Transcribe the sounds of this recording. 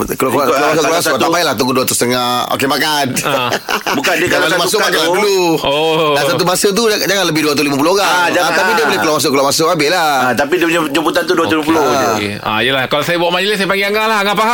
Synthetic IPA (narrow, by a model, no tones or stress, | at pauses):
klkklamasʊkklaast̪apajlaht̪uɡuduat̪ust̪əŋao̰kemakan | bukandiəkalamasʊkmakaladuluodansat̪ubasət̪̬uad͡ʒaŋanləbɪhduat̪ulimap̬uloɡad͡ʒaat̪apidiəbolehkəlaʔmas̬ʊʔkəlaʔmasʊʔabelaat̪apidid͡ʒəput̪ant̪uduat̪uimap̬uloa | a̰ijəlahkalasajabuaʔmaɲəlɪsajəpaŋɡiaŋaʔlaɦaŋapaɦa